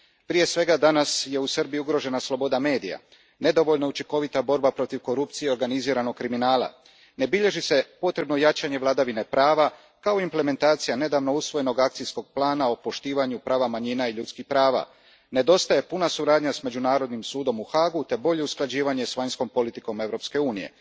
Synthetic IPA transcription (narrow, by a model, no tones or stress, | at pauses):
pɾije̞sʋe̞ɡad̪anasje̞usərbijiuɡɾo̞ʒe̞naslˠobo̞d̪ame̞ːd̪ija̰ | ne̞d̪o̞ʋo̞ʎnout͡ʃiŋko̞ʋit̪abo̞ɾbapɾo̞t̪iʋko̞ɾup̚t̪sijeo̞ɾɡaniziːɾano̞ɡ̚kːɾiminaːlˠa̰ | ne̞biʎe̞ʒise̞po̞t̪ɾe̞bno̞jat͡ʃaɲe̞ʋlˠad̪aʋine̞pɾaːʋa | kao̞imple̞me̞nt̪aːt̪sijane̞d̪aːʋno̞usʋo̞je̞no̞ɡak̚t̪sisko̞ɡ̥̚plˠaːnao̞po̞ʃt̪iːʋaɲupɾaːʋamaɲinaiʎut̪skixpɾaːʋa̰ | ne̞d̪o̞st̪aje̞punasuɾaːd̪ɲasme̞d͡ʑunaːɾo̞d̪nimsuːd̪o̞muxaːɡut̪e̞bo̞ʎe̞usklˠad͡ʑiːʋaɲe̞sʋaɲsko̞mpo̞lit̪iko̞me̞ʋɾo̞pske̞uːnije̞̰